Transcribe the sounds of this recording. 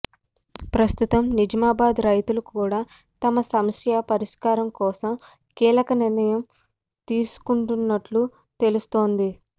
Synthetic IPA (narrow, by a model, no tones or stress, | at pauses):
pɾɐst̪ut̪ɐmnid͡ʒɐmaːbaːd̪ɾɐjt̪ulɐkuːɽaː | t̪ɐmɐsɐmɐsjapɐɾiʂkaːɾɐmkɔːsɐm | kiːlɐkɐniɾnɐjɐm | t̪iːsu̥kuɳʈunːɐʈlu | t̪e̞lust̪o̞ːnd̪i